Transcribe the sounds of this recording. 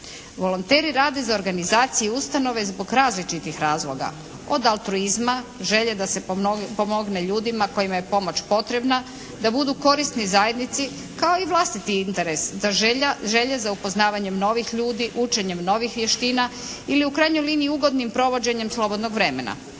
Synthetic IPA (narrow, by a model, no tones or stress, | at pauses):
ʋo̞lo̞nt̪eːɾiɾaːd̪e̞zao̞ɾɡanizaːt̪sijɛust̪ano̞ʋe̞zbo̞ɡɾaːzlit͡ʃit̪ixɾaːzlˠo̞ɡa̰ | o̞̰d̪alˠt̪ɾuizmaʒe̞ʎed̪ase̞pomo̞ɡne̞ʎuːd̪imako̞jimaje̞po̞mot͡ɕpo̞t̪ɾe̞bna | d̪abud̪uko̞ɾist̪nizaje̞d̪nit̪si | kao̞iʋlˠast̪it̪iint̪e̞ɾesd̪aʒʒe̞ʎezaupo̞znaːʋaɲe̞mno̞ʋixʎuːd̪iʔut͡ʃe̞ɲe̞mno̞ʋixʋjeʃt̪iːnailiukɾajɲo̞jliːnijuuɡo̞d̪nimpɾo̞ʋo̞d͡ʑe̞ɲe̞mslˠo̞bo̞d̪no̞ɡʋɾe̞me̞̰na̰